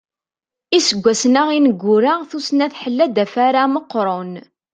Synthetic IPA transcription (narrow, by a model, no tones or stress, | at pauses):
isəɡʷːæsnaʁinəɡʷːʊɾaʁθusnæθħəlːæd̪æfaɾaməqːɾˤon